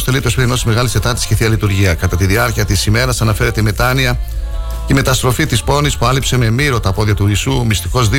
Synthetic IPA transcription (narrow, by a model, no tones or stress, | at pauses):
st̪e̞lit̪eospeɾino̞sizme̞ɣɐlise̞t̪ɐɾt̪isceθiɐlit̪uɾʝiɐkɐt̪ɐt̪iðiɐɾciɐt̪isime̞ɾɐsɐnɐfe̞ɾe̞t̪e̞me̞t̪ɐniɐ | ceme̞t̪ɐst̪ɾo̞fit̪ispo̞nispuɐlipse̞me̞miɾo̞t̪ɐpo̞ðiɐt̪uisumist̪iko̞zði